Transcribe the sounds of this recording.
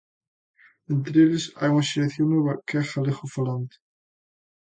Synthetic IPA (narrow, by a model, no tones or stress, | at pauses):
ent̪ɾeʎɪsa̰juŋaʃeleθjoŋnːweβɐkaxalexʊfalant̪ɪ̥